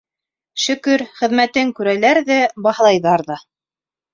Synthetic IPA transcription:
ʃɵ̆kɵɾχɘ̆ðmæt̪ɘŋkʉɾælæɾðɘbɑhlˠɑjðɑɾðɑ

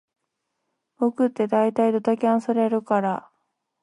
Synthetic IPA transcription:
okɯ̟t̪ːe̞d̪ait̪aid̪o̞t̪akʲeãɰ̃saɾe̞ɾɯ̟kaɾa

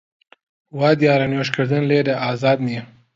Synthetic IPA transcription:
wɑd̪jɑɾanjoʃkəɾd̪ənled̪aʔɑzɑːd̪ni

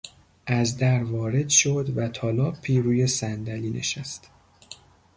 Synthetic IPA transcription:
ʔæzd̪æɾvɒːɾe̞d̪ʃod̪væt̪ʰɒːlɒːpʰiːɾuːje̞sænd̪æliːnʔe̞̰ʃæst̪

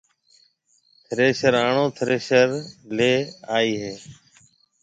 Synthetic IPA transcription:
t̪ʰəɾeːʃəɾaːɳõːt̪ʰəɾeːʃəɾleːaːiːɦeː

